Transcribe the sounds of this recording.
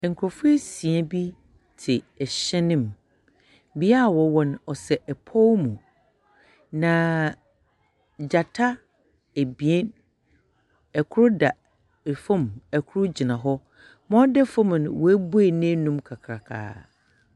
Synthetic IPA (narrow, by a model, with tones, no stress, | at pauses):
ŋ̩˨kʰɾɔ˨fʊ˦e˦sĩ˨ɛ˦bi˦ | tʰɪ˨ɛ˨ɕɛ˦nɪ̃˦˨m | bi˦a˦˨wɔ˨wɔ̃˦nɔ˨sɛ˨ʔɛ˨pʰɔ˦wmũ˨ | nã˨ | d͡ʑa˨tʰa˦ | e˨bi˨e˦n | ɛ˨kʰʊ˦ɾʊ˦da˨ | fɔ̃˦˨mɛ˨kʰʊ˦ɾʊ˦d͡ʑi˨nã˨ɦɔ˦ | mɔ̃˦dɛ˦fɔ̃˦m̃˨n˨wɔ˨˦æ˦bu˦e˨nẽ˦nũ˦mkʰa˨kʰɾa˨kʰa̰ː˨